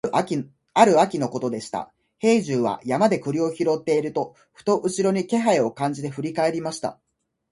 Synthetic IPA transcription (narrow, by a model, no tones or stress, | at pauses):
aɾɯ̟akʲino̞ko̞t̪o̞d̪e̞ɕi̥t̪a̰ | he̞ːʑɨːβa̰jamad̪e̞kɯ̟ɾʲio̞çiɾo̞t̪ːe̞iɾɯ̟t̪o̞ | ɸɯ̟̥t̪o̞ʔɯ̟ɕiɾo̞ɲ̟ike̞ɦaio̞kãɲ̟d͡ʑit̪e̞ɸɯ̟ɾʲikae̞ɾʲimaɕi̥t̪a̰